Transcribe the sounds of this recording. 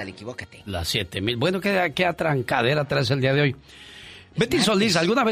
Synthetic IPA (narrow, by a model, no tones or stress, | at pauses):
lekiβoket̪ela̰sːjet̪emilbwe̞no̞keakeat̪ɾaŋkaðe̞ɾat̪ɾaes̬e̞ld̪iaðeo̞j | bet̪iso̞lis̬alɣunaβe